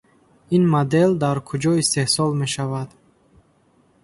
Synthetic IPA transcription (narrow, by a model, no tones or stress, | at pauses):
inmod̪eld̪aɾkʰud͡ʒɔist̪e̞hsɔlme̞ʃavad̪